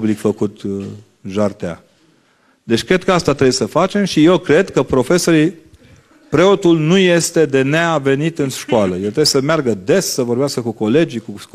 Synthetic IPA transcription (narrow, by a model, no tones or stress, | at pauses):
blikfəkut̪ | ʒart̪ea̰ | d̪e̞t͡ʃʲkɾe̞d̪̚kəast̪at̪ɾebjesəfat͡ʃe̞mʃije̞wkɾe̞d̪kəpɾo̞fe̞so̞ɾi | pɾe̞o̞t̪ulnuje̞st̪e̞d̪e̞neave̞nit̪ɨnʃkoaləjelt̪ɾebjesəmearɡəd̪e̞ssəvo̞rbeaskəkuko̞le̞d͡ʒiku